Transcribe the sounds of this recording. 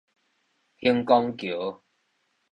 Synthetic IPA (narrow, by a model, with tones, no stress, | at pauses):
hi˥ŋkɔ˥ŋkju˨˦